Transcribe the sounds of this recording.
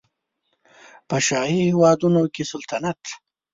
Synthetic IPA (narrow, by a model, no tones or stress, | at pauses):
pəʃɑhihɪwɑd̪unokesalt̪anat̪